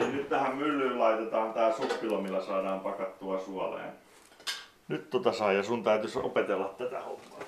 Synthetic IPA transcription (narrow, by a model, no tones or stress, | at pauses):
innyt̪t̪æhæmmylːyːllɑit̪et̪ɑːnt̪æːsupːilomilːæsɑːdɑːmpɑkɑt̪ːuɑsuɑlḛːn | nyt̪t̪ot̪ɑsɑijɑsunt̪æyt̪yso̰pet̪elːɑt̪t̪æt̪æ̰ho̰mːɑ̰ː